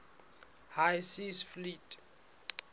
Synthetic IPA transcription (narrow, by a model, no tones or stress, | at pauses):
hajsisflitʰʼ